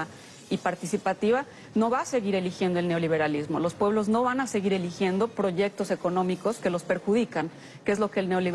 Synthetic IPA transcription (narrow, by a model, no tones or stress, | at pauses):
a | ipaɾt̪isipat̪iβa | no̞βaːse̞ɣiɾe̞lixje̞nd̪oe̞lne̞o̞liβ̞e̞ɾalizmolo̞spwe̞β̞lo̞zno̞βanase̞ɣiɾe̞lixje̞nd̪o̞pɾo̞ʝe̞k̚t̪o̞se̞ko̞nõ̞miko̞ske̞lo̞spe̞ɾxuðikan | kee̞zlo̞ke̞ːlne̞o̞li